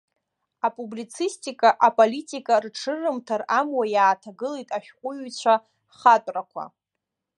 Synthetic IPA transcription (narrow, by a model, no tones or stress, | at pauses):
apʼublit͡sʰistʼikʼaʔapʼolitʼikʼarʈ͡ʂʰɨrɨmtʰaramwajaːtʰaɡɨleitʼaʃᶣqʷʼʊɥt͡ɕʷʰa | χatʼrakʷʰa̰